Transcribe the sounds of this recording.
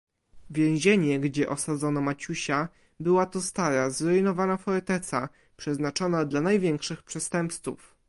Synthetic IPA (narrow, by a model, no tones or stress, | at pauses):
vʲjɛ̃w̃ʑeɲɛɡd͡ʑɛʔɔsad̪zɔnɔmat͡ɕuɕa | bɘwat̪ɔst̪aɾazɾɔinɔvanafɔɾɛt̪ɛt̪sa | pʂɛznat͡ʂɔnad̪lanajvʲjɛŋkʂɘxpʂɛst̪ɛmpssṵf